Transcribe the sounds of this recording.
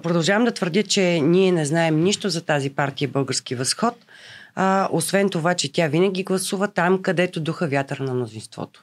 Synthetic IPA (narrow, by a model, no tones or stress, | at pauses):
pɾod̪ɐlˠʒavəmd̪ɐt̪v̥əɾd̪ʲət͡ʃɛniɛnɛznaɛmniʃt̪ozɐt̪azipaɾt̪ijəbɤlˠɡəɾsk̟ivɐsxɔt̪̚ | ʔosvɛnt̪ovat͡ʃɛt̪ʲjavinəɡ̟ʲiɡlˠɐsuvət̪amkɐd̪ɛt̪od̪uxəvʲjat̪əɾnɐmnozinst̪vɔ̰t̪o̥